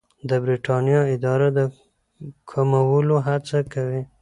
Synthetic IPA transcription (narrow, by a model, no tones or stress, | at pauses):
d̪əbɾiʈɑnjɑɪd̪ɑɾad̪ə | kʰamawəloɦat͡sakawi